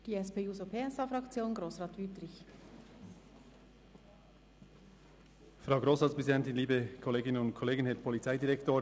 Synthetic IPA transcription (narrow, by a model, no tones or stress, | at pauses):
d̥iːɛspeːuːzopʰeːɛsɑfɾɑkt͡sjoːnɡɾoːsʁɑːtʋytɾɪç | fɾaʊɡɾoːsʁɑːtspʁɛzidɛntɪnliːbəkʰɔleːɡɪnənʊnt̚kʰɔleːɡənhɛːpʰɔlit͡saɪdiɾɛktoːɾ